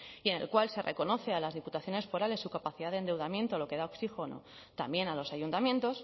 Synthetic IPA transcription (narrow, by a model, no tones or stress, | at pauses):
ie̞ne̞̰lkwalse̞rʔḛko̞no̞θe̞alazðiput̪aθjo̞ne̞sfo̞ɾale̞sːukapaθiðaðend̪e̞wðamje̞nt̪olo̞ke̞ð̞aoksixono̰ | t̪a̰mbje̞nalo̞saʝunt̪amjent̪o̞s